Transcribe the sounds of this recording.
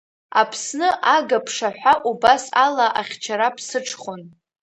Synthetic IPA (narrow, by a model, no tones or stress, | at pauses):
apʰsnɨʔaɡapʰʂaħʷaʔubasalaʔaχʲt͡ʃʰaɾapʰsɨʈ͡ʂʰχon